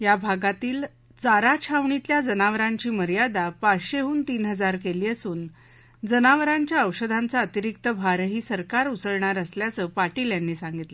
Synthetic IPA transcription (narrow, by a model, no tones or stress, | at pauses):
jabʱaɡat̪iːl | d͡zaɾat͡ɕʰaʋɳit̪ljad͡zənaʋəɾaɲt͡ɕiːməɾijad̪apaɕeɦuːnt̪iːnɦəd͡zaɾk̬eliːəsuːn | d͡zənaʋəɾaɲt͡ɕjaəwɕəd̪ʱant͡saət̪iɾik̚t̪əbʱaɾəɦiːsəɾkaɾut͡səɭɳaɾəsljat͡səːpaʈiːljanːiːsãŋɡit̪lə